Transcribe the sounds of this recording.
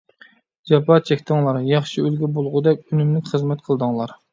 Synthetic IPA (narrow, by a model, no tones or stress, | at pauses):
d͡ʒɑpɑːt͡ʃʰɛkʲt̪ʰɪŋlˠɑɾjɑχʃiølɡʲɛbolˠʁʊd̪ɛkʲynymlɪkʲχəzmɛt̪qʰəlˠd̪ɨŋlˠɑɾ